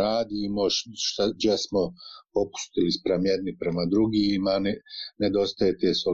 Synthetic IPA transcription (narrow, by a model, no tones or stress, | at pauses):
aːd̪iːmoʃt̪ad͡ʒjesmopo̞pu̥st̪eispɾamjed̪nipɾemad̪ɾuɡiːmanned̪o̞st̪ajet̪e̞ːso